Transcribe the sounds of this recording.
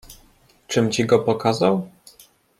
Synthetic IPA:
t͡ʂɘmt͡ɕiɡɔpɔkazaw

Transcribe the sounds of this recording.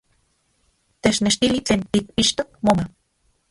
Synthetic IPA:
t̪et͡ʃneʃt̪ilit͡ɬent̪ik̚piʃt̪ok̚moma

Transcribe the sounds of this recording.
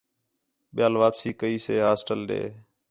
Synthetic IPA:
ɓɪjaːlʋaːpsiːkəiːseːɦaːsʈəlɗḛː

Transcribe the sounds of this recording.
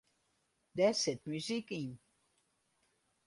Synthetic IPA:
d̪ɛset̪̚myzikin

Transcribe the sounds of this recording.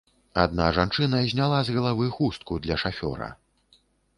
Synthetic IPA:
a̰d̪naʐant͡ʂɨnɐzʲnʲalˠazɣɐlˠavɨxust̪̚kud̪lʲɐʂafʲɔ̰ɾɐ̰

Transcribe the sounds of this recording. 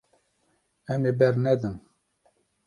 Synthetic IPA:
ɛmeːbɛɾnɛd̪ɨn

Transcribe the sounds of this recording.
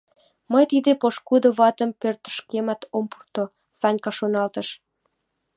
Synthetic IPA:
məjt̪id̪epoʃkud̪oβɑt̪əmpørt̪ə̥ʃkemɑt̪ompu̥rt̪o | sɑnʲkɑʃonɑlt̪əʃ

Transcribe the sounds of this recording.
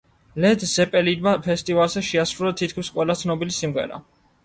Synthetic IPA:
lɛd̪zɛpʼɛlid̪mapʰɛst̪ʼivalˠzɛʃɛasɾulat̪ʰit̪̚kʰmisqʼwɛlˠat̪sʰnɔbilisimʁɛ̰ɾa̰

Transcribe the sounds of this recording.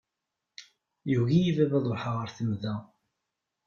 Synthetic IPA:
juɣijivævæðˤoħaʁəɾθəmðæ

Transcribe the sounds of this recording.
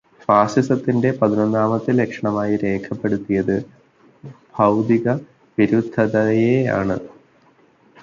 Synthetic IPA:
faːsisɐt̪ːinde̞pɐðinonːaːmɐt̪ːile̞kʂɐɳɐmaːjiɾe̞ːkʰɐpːe̞ɽut̪ːijɐðɨ | b̥ʱɐwd̪iɣɐ | ʋiɾud̪ʱɐðɐjea̰ːɳɨ̰

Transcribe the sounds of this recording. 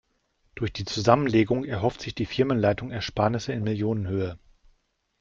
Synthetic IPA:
d̥ʊɐçd̥iːt͡suzamənleːɡʊŋɛɐɦɔftz̥ɪçd̥iːfɪɐmənlaɪtʊŋɛɐʃpaːɐnɪsəɪnmɪljoːnənɦøːə

